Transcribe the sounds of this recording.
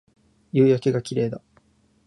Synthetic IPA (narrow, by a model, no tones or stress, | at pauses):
jɯːjakeɡakʲiɾe̞ːd̪a